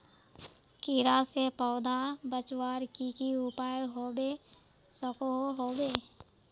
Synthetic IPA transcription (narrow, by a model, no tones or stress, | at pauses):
kiɾasepɔːd̪ʱabət͡ʃwaːɾkikiupaːjɦoːbe | səkoɦoːbeː